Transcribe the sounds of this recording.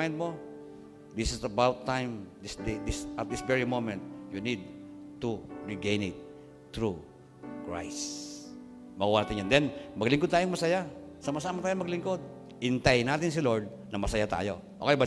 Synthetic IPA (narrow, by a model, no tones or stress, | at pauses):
ajnd̪̚mo | d̪ɪsɪsɐbawt̪ːãjmd̪ɪsd̪ed̪ɪsʔɐt̪̚dɪsvɛɹimomɛ̃nt̪̚junid̪̚t̪uɹɪɡẽjnɪt̪̚ː | ɹu | kɹa̰js | mɐɡuwanaːt̪ɪ̃nɲjand̪ɛnmɐɡlɪŋkod̪̚t̪aːjoŋmɐsɐjasɐmasaːmɐt̪aːjoŋmɐɡlɪŋkod̪̚ | ʔɪnt̪ajnaːt̪ɪns̬ɪloɹd̪̚ | nɐmɐsɐjat̪a̰ːjo̰ | ʔo̰ːkɛjba